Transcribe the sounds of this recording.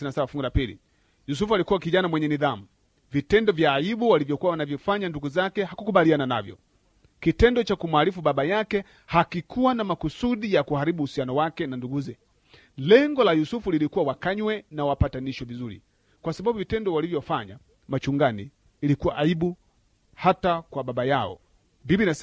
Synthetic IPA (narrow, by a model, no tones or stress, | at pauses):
nasabafuŋɡilapilḭ | jus̬ufualikuwakiʄanamwɛɲɛniðamu | vitɛndɔvjaːibuwalivjɔkuwawanavjɔfaɲanduɡuzakɛhakukuɓalianana̰vjɔ̰ | kitɛndɔt͡ʃakumuaɾifuɓaɓajakɛ | hakikʰuwanamakusuɗijakuhaɾiɓuːsianɔwakɛnanduɡuzɛ | lɛŋɡɔlajusufulilikuwawakaɲwɛnawapataniʃɔvizuɾḭ | kwasaɓabuvitɛndɔwalivjɔfaɲa | mat͡ʃuŋɡaniː | likuwaʔaiɓu | hatakwaɓaɓajaɔ̰ | mbibina